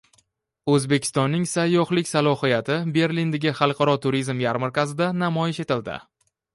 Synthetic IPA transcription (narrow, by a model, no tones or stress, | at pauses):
ɵzbekʲʰɪ̥st̪ɒnːɪŋsajːɒhlɪkʲsalˠɒhɨjat̪ʰɪbe̞ɾlind̪aɡʲɪχɑlˠqʰɑɾɒt̪ʰʊɾizmjaɾmɪɾkʲazɪd̪anamɒjɪʃe̞t̪ɪld̪ɪ̰